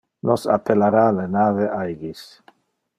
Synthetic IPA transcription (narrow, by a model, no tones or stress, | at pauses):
nosa̰pelaɾalenaveʔajɡis